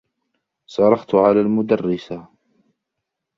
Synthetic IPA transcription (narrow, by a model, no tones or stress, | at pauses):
sˤɑɾˤɑxt̪ʕalaːlmʊd̪ɑrːɪsa